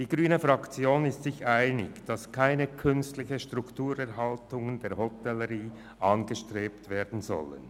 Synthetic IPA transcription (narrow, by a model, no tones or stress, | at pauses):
d̥iːɡʁyːnəfʁɑkt͡sjoːnɪstsɪçʔaɪnɪkd̥ɑskʰaɪnəkʰʏnstlɪçəʃtʁ̥uktuːɾɛʁɦɑltʊŋəndeːɐhɔtɛlːəʁiː | ʔɑnɡəʃtʁ̥eːptv̥eːɐdn̩zɔ̰lə̰n